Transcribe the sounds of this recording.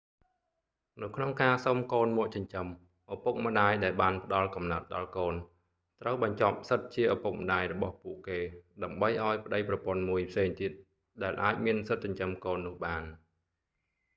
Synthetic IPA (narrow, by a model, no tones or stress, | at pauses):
nɨwkʰnoŋkaːsomkoːnmɔ̆əʔt͡ɕɑɲt͡ɕəm | ʔapuk̚mə̆ɗaːjɗaɛlɓaːnpə̆ɗɑlkɑmnaət̪̚ɗɑlkoːn | t̪rəwɓɑɲt͡ɕɑp̚sət̪̚t͡ɕiəʔapuk̚mə̆ɗaːjrɔɓɑhpuəʔkeːɗaəmɓəjʔaɔjpə̆ɗəjprɑpŏənmuəjpʰseːŋt̪iət̪̚ | ɗaɛlʔaːc̚miənsɨt̪̚t͡ɕaɲt͡ɕəmkoːnːʊ̆əhɓaːn